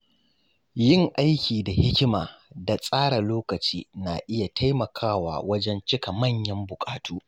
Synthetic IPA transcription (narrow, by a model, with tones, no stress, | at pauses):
jɪ˦˨ŋʔa˦jkʲiː˨da˨hɪ˦kʲɪ˦maː˨da˨sʼaː˦ɽa˨loː˦kɐ˨t͡ʃiː˦na˨ʔɪ˦ja˨tʰa˦jmɐ˨kʰaː˦wa̰ː˨wɐ˦d͡ʒɛ˦nt͡ʃɪ˦ka˨mɐ˦˨ɲjɐ˦mbʊ˨kʼaː˨tuː˦